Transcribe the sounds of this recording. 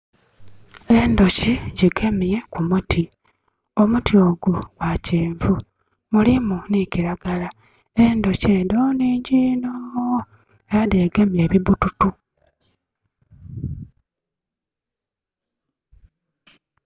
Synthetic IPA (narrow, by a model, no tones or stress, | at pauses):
e̞ndo̞ciɟiɡe̞mije̞kumutʰi | o̞mutjoːɡuɡwaciːɱvu | mulimuniciɾaɡala | e̞ndo̞ceːndoniːɲɟino | ejadeɡemje̞βiβututu